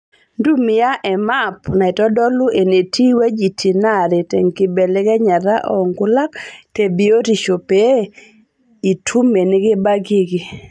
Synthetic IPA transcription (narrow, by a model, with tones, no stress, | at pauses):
ndu˦mɪ˦ja˦ʔɛ˨ma˦pna˨ɛ˨tɔ˦dɔ˦lʊ˦ʔe˨ne˨tʰi˦wa˦d͡ʒi˨tʰi˨na˦˨ɾe˨tɛ˨ŋkɪ˨bɛ˨lɪ˦ɡɛ˦ɲa˨ɾa˦ʔɔ˨ŋɡʊ˦la˦kte˨bi˨˦o˦ti˨ʃo˨pe˦ | i˨tʰu˦me˨nɪ˦ɡɪ˦ba˦ɡi˦ɡɪ˨